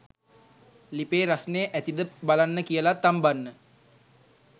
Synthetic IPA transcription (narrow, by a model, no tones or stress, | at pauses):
lipeːɾasnejəʔæt̪id̪əbalanːəkijəlat̪ːambanːə